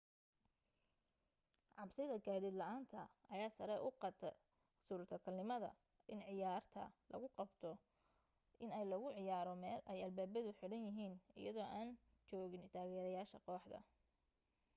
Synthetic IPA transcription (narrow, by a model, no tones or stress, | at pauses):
ʕɑbsɪðɐɡaːðɪd̪lɐʔaːnt̪ʰɐɐjaːsɐɾɛʔʊqɑt̪ʰɐ | suːɾt̪ʰɐkʰɐlnɪmɐðɐ̰ | ʔɪnʕɪjaːrt̪ʰɐ̰lɐ̰ɣʊqɑbt̪ʰɔ | ʔɪnɛjlɐɣʊʕɪjaːɾɔmɛːlʔɛjɐlbaːbɐðʊħɪɽɐnjɪɦiːnɪ̰jɐðɔːʔaːn | t͡ʃɔːɣɪnt̪ʰaːɣɛːɾɐjaːʃɐqɔːħd̪ɐ̰